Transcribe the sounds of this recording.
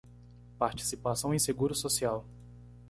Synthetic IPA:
paɾt͡ʃi̥sipasɐ̃w̃ẽj̃seɡuɾʊsosiaw

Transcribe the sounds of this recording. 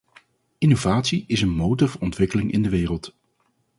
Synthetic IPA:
ɪnovaːtsiɪsənmowtəɹvəɹɔntʋɪkəlɪŋɪ̰ndəʋɪːrəlˠt

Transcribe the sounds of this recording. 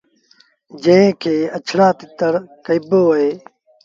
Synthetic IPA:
d͡ʒə̃ẽːkʰeːət͡ʃʰɽaːt̪ɪt̪əɾkəɪboːəɦeː

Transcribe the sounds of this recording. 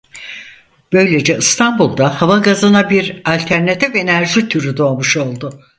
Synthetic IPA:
b̥ø̞jlʲe̞d͡ʒɛɯst̪ʰanbulˠd̪ahavaɡazɯnabiɾalʲt̪ʰæɾnat̪ʰife̞næɾʒit̪ʰyɾyd̪o̞amuʃo̞lˠd̪ʊ

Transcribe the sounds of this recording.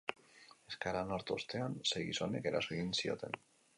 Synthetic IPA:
e̞skaɾanoɾt̪ost̪e̞anse̞jɣḭso̞ne̞̰ke̞ɾa̰soeɣinsio̞̰t̪e̞̰n

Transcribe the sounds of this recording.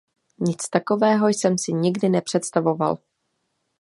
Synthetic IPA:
ɲɪt͡st̪ako̞vɛːɦo̞jsɛmsɪɲɪɡdɪnɛpr̝̥ɛt̪st̪avo̞va̰l

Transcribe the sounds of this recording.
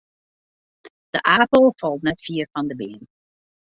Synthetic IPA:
d̥əʔaːpəlˠfɑlˠtnɛtfiːɹfɑndəbeːn

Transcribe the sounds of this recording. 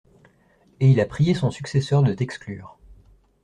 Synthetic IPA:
eilapχijesɔ̃syksesœʁd̪ət̪ɛksklyːʁ

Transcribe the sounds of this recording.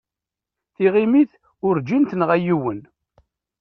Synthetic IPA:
θiʁimiθ | ʊɾd͡ʒint̪nəʁæjiwən

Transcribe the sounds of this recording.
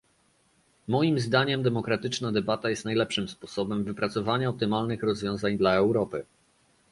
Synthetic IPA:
mɔjimzd̪aɲɛmd̪ɛmɔkɾat̪ɘt͡ʂnad̪ɛbat̪ajɛst̪najlɛpʂɘmspɔsɔbɛmvɘpɾat̪sɔvaɲaɔp̚t̪ɘmalnɘxɾɔzvʲjɔ̃w̃zaɲd̪laɛwɾɔpɘ

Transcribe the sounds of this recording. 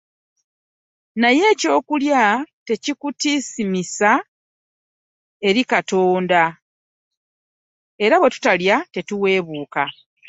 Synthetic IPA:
naje̞ːco̞ːkuljate̞cikutisimisa | e̞ɾikato̞ːnda | e̞ɾaβwe̞tu̥taljate̞tuwe̞ːβuːka

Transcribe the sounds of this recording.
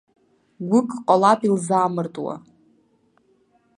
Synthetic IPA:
ɡʷʊkʼqʼalapʼilzaːmɨrtʼwa̰

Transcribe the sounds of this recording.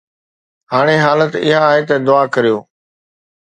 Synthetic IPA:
ɦaːɽ̃eːɦaːlət̪ɪ̰ɦãːɦeːt̪ɐd̪ʊaːkəɾijoː

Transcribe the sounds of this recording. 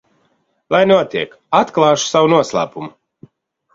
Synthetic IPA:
lˠajnuɔt̪ʲiɛk | at̪klˠɑːʃu̥sawunuɔslˠa̰ːpumu

